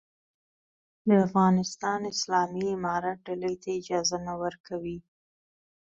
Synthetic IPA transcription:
d̪əafɣɑnɪst̪ɑnɪslɑmiɪmɑɾat̪̚ɖaləjt̪aɪd͡ʒɑzanawəɾkʰawi

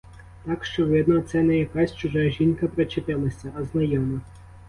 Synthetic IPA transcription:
t̪ɑkʃt͡ʃɔʋɪd̪nɔt̪sɛnɛjɐkasʲt͡ʃʊʒɑʒʲinkɐpɾɐt͡ʃɪt̪ɪlˠɐsʲɐʔɐznɐjɔmɐ

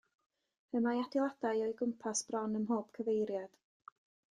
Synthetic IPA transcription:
əmajadɪlˠad̥ajɔɨɡʊmpʰasb̥rɔnəmɦoːpʰkʰəvejɾjad̥

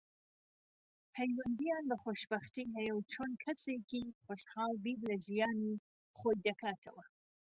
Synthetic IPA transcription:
pʰɐjwɐnd̪ijaːnbɐxoʃbɐxt̪iɦɐjɐwt͡ʃʰoːnkʰɐsekiχoʃhɑːlbiːblɐʒijaːni | χoːjd̪ɐkʰaːt̪ʰɐ̰wɐ

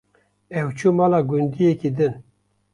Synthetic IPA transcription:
ɛwt͡ʃʰumɑːlaːɡund̪ijekid̪ɨn

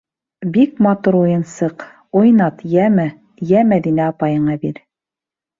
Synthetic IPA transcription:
bik̚mɑt̪uɾujɤ̆nsɤq | ujnɑt̪jæmæ | jæmæðinæɑpɑjɤ̆ɴɑbiɾ

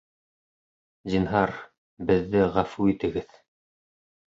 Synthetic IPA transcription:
zinɦɑɾ | bɘ̆ðːɘʁæfuit̪ɘ̆ɡɘð

